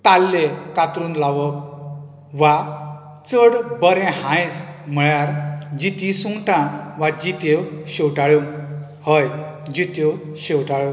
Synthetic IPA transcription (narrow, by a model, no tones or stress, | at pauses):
t̪alːekat̪ɾuːnlaʋə | ʋa | t͡səɽbəɾẽhãjsm̤əɭjaɾd͡ʑit̪isuŋɡʈãʋad͡ʑit̪ewɕewʈaɭə | həj | d͡ʑit̪ew | ɕewʈaɭə